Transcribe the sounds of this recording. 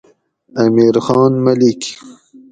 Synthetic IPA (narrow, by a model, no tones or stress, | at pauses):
amiɾxɑːnmalik